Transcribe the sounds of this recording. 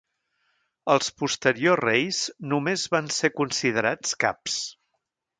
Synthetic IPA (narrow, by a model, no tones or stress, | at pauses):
əlˠspust̪əɾiozrejznumezβansekunsið̞əɾat͡ska̰ps